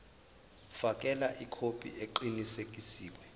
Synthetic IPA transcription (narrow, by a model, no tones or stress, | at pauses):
fak̬ʼɛlaʔikʰopʰʼḭʔeǃinisek̬ʼisiːwɛ